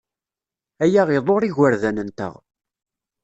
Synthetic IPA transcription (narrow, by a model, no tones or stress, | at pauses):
æjæʁɪðˤoɾˤiʝəɾðænənt̪ə̰ʁ